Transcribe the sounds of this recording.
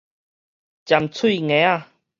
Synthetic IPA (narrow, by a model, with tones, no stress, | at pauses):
t͡ɕja˨mt͡sʰi˥˧˨ŋẽ˨˦a˦˧˨